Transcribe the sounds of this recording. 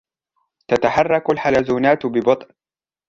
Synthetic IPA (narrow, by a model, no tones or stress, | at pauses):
t̪at̪aħɑrˤːɑkalħalazuːnaːt̪bɪbɑt̪ˤn